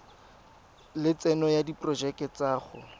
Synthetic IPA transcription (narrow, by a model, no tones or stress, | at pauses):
lɪt͡sɛnɔjadipʼrɔd͡ʒɛkɛt͡saːχʊ